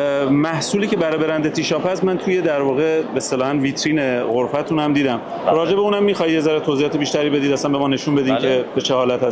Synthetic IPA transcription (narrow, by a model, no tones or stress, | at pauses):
mæhsuːliːce̞bæɾɒjbe̞ɾænd̪et̪ʰiːʃɒːpæst̪mænt̪ʰuːje̞d̪æɾvɒːɣe̞best̪elɒːhænviːt̪ʰɾiːneɣoɾfæt̪ʰuːnhæmd̪iːd̪æm | ɾɒːd͡ʒe̞beuːnæmːiːxɒːhiezæɾet̪ʰozijɒːt̪ebiːʃt̪æɾiːbe̞d̪iːd̪æsænbemɒːne̞ʃunbe̞d̪ikʰebet͡ʃʰehɒːlæt̪ʰhæs